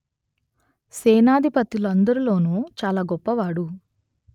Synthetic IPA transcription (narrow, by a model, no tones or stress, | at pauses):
seːnaːd̪ʱipɐt̪ːilɐnd̪ɐɾulo̞ːnuːt͡ʃaːlaːɡɔpːɐʋaːɽu